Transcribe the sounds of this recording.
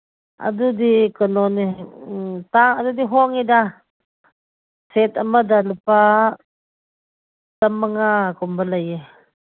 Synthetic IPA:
a̰dudikənɔni | t̪aŋadudiɦɔŋida | set̪amadaləpa | tamaŋakumbalaje

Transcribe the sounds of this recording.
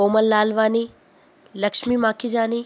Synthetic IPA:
oːməlːaːlʋaːni | lɐkʂmimaːkid͡ʒaːni

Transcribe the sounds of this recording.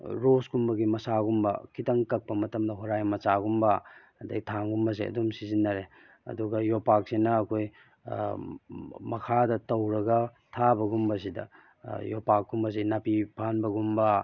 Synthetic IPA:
ɾosɡumbɐɡimɐsaɡumbɐ̰kʰitɐŋkɐk̚pɐmɐtɐmdɐɦoɾajmɐsaɡumbɐ | ɐdɐ̰ɡitʰaŋɡumbɐs̬eʔɐ̰dumsizinːɐɾe | ɐ̰duɡɐjopak̚senɐːkʰoj | mɐkʰadɐtɐwɾɐɡɐ | tʰabɐɡumbɐs̬idɐ̰ | jopak̚ɡumbɐs̬inapipʰanbɐɡumbɐ

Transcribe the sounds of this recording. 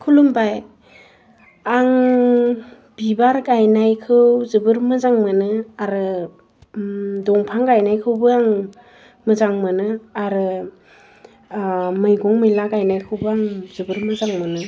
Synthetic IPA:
kʰulumbaj | aŋ | bibaɾɡajnajkʰɯwzɯbɯɾmɯzaŋmɯnɯaɾɯ | dɔŋpʰaŋɡajnajkʰɯwbɯaŋ | mɯzaŋmɯnɯaɾɯ | mɯjɡɔŋmɯjlaɡajnajkʰɯwbɯaŋzɯbɯɾmɯzaŋmɯnɯ

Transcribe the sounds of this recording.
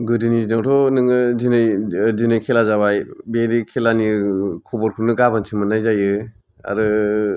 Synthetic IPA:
ɡɯdinizinawtʰɔnɯŋɯzinɯjdinɯjkʰelazaβajbeɾikʰelanikʰɔbɔɾkʰɯnɯɡabansʰimɯnajzajɯ | a̰ɾɯ

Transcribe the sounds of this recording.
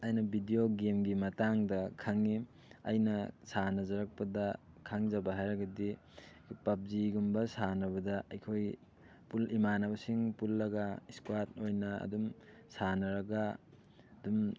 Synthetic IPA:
ajnɐbʱidijoɡemɡimɐtaŋdɐkʰaŋi | ɐ̰jnɐsanɐzɐɾɐk̚pɐdɐ | kʰaŋzɐbɐɦajɾɐɡɐdi | pɐp̚ziɡumbɐsanɐβɐdɐɐjkʰoj | pulimanɐβɐsiŋpulːɐɡaiskwat̚ojnɐɐ̰dum | sanɐɾɐɡa | ɐdum

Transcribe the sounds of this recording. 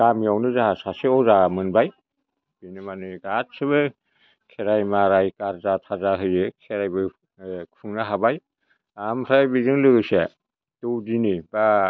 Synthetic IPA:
ɡamiawnɯzaɦasaseɔzamɯnbaj | binɯmanɯɡat̚sɯβɯ | kʰeɾajmaɾajkaɾzatʰazaɦɯjɯkʰeɾajbɯ | pʰɯŋnaɦabaj | ampʰɾajbizɯŋlɯɡɯse | dɯwdiniba

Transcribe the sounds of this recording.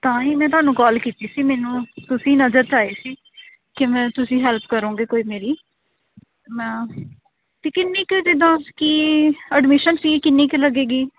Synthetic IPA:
t̪ãːiːmɛ̃ːt̪̬ʊɦaːnũːkɔːlkiːt̪iːsiːmɛːnũːt̪ʊsĩːnəzəɾt͡ʃaːeːsiː | kɪmɛ̃ːt̪ʊsĩːɦɛːlpkəɾõːɡeːkoːiːmeːɾiː | mɛ̃ː | t̪eːkɪnːiːked̪ed̪ãːkiːəɖmɪʃənsiːkɪnːiːkeləɡeːɡiː

